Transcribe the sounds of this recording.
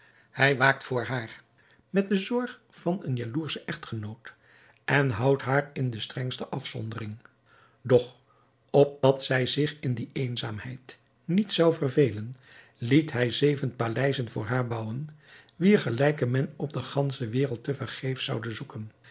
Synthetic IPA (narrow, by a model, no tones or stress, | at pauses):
hɛjʋaːk̚tfʊːɹɦaːɹ | mɛt̚dəzɔɹχ | fɑnənjaluːɹsəʔɛχtχənowt | ʔɛnɦʌwtɦaːɹɪndəstrɛŋstəʔɑfsɔ̰ndərɪŋ | dɔχ | ɔp̚dɑtsɛjzɪχɪndiejnzaːmɦɛjt | nitsɑwvərvejlən | litɦɛjzejvənpalɛjzənvʊ̰ːɹɦaːɹbɑwənʋiːɹχəlɛjkəmɛnɔb̚dəχɑnsəʋɪːrəlˠtəvərχejfsʌwdəzukən